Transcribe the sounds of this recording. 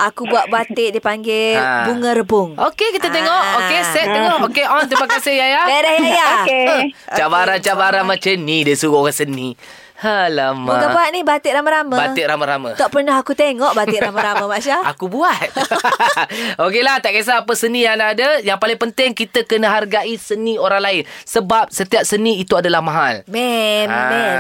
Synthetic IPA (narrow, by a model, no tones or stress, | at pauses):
ʔakubuaʔ̚bat̪eʔdipaŋɡɪbuŋəɾəbʊŋokekit̪ət̪eŋɔʔokesɛʔ̚t̪eŋɔʔokeʔɔnt̪əmakasɪhjajabeɾəhjajaət͡ʃabaɾant͡ʃabaɾanmat͡ʃənidiəsuɣokasənĩ | haləmuakabuat̪̚nihbat̪ɪʔɾamaɾaməbaɪʔɾamaɾama̰t̪ɔʔpərnaɦakut̪eŋɔʔbat̪ɪʔamaɾamamaʃaa̰kubuat̪̚ | okelat̪aʔkəs̬aːpəsənĩjanadəjaŋpalɪŋpənt̪ɪŋkit̪əkənəɦarɡaʔisənĩoɾaŋlaɪnsəbap̚sət̪iap̚sənĩːt̪uadalahmaɦa̰lmɛnɛ